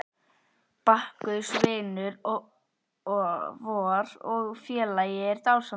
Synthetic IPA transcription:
pahkʏðsvɪːnʏɾ | vɔːɾɔɣfjɛːlajɪɾt̪aːwsa

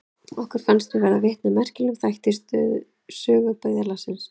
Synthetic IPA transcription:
ɔhkʏɾ̥fanst̪vɪvɛɾðavɪht̪namɛr̥cɪlʏmθajht̪ɪst̪ʏ̰ð | sœːɣʏpœːɣðalasɪns

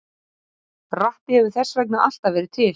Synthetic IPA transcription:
raht̪ɪhɛvʏθɛsːvɛk̬naʔal̥t̪avɛːɾɪ̥t̪ʰɪl

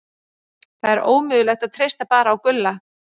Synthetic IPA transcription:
θaðɛɾʔoːwmʏːðʏlɛxt̪aðt̪ʰɾejst̪apaːɾaːwkʏlːa

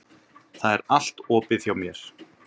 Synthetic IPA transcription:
θaðɛɾal̥t̪ɔːpɪðθjawmjɛɾ̥

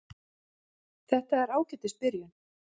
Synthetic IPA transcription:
θɛht̪aɛɾaːwcɛt̪ɪst̪̚pɪɾjʏn

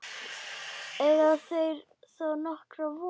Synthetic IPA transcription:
ɛðasejɾ | sɔnɔhkɾavɔ

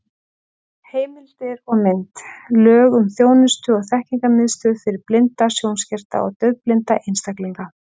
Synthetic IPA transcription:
heːjmɪlt̪ɪɾɔɣmɪnt̪lœːɣʏmθjoːwnɪst̪ʏɔɣθɛhciŋkamɪðst̪ʏfɪɾɪɾplɪnt̪asjownscɛr̥t̪a̰ɔ̰ɣt̪œɥplɪnt̪aʔejnst̪akliŋka

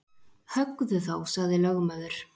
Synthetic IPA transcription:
hœkðʏθawsaɣðɪlœɣmœðʏɾ̥

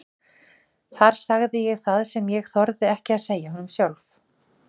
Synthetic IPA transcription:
θaɾ̥saɣðɪjɛɣθaðsɛmjɛɣθɔɾðɪɛhcɪaðseːjaɦɔnʏmsjawlf

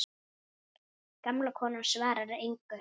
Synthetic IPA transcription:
kamlakʰɔːnamsvaːɾaɾejŋkʏ

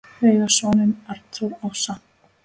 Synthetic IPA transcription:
eːjɣasɔːnɪnaɾt̪ʰuɾɔwsa

